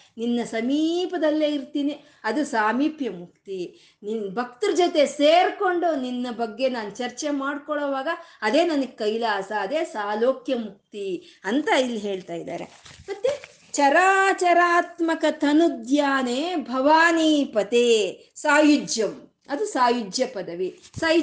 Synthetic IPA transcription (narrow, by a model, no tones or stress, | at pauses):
ninːɐsɐmiːpɐd̪ɐlːeːiɾt̪iːni | ɐd̪usaːmiːpjɐmuk̚t̪i | ninbʱɐk̚t̪uɾd͡ʒɔt̪eseːɾko̞ɳɖuninːɐbɐɡːe̞naːnut͡ʃɐɾt͡ʃemaːɽkɔɭɔːʋaːɡɐːd̪e̞ːnɐnɐɡekɐjlaːsɐːd̪e̞ːsaːloːkjɐmuk̚t̪iɐnt̪ɐilːiɦe̞ːɭt̪aːjid̪a̰ːɾḛmɐt̪ːe | t͡ʃɐɾaːt͡ʃɐɾaːt̪mɐkɐt̪ʰɐnud̪jaːneːbʱɐʋaːniːpɐt̪eː | saːjud͡ʒjɐm | ɐd̪usaːjud͡ʒjɐpɐd̪ɐʋisaː